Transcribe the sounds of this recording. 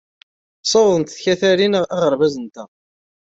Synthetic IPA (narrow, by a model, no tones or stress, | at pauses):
sˤowðˤənt̪θçæθæɾinəʁæʁəɾˤvæzənt̪æ